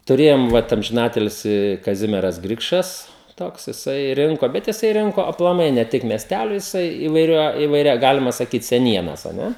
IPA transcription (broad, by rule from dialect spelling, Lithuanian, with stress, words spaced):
tʊˈrʲeːjoːm ˈʋɐt ɐmʲʒʲɪˈnɑːtʲɪlʲsʲɪ kɐˈzʲɪmʲiɛrɐs ˈɡrʲɪkʃɐs ˈtoːks jɪˈsɐɪ ˈrʲɪŋkoː ˈbʲɛt jɪˈsɐɪ ˈrʲɪŋkoː ɐplˠɐˈmɐɪ nʲɛ ˈtʲɪk mʲiɛsʲˈtʲælʲoː jɪˈsɐɪ ɪʋɐɪˈrʲɛ ɪʋɐɪˈrʲɛ ˈɡɑːlʲɪmɐ sɐˈkʲiːt sʲɛˈnʲiɛnɐs ɐ ˈnʲɛ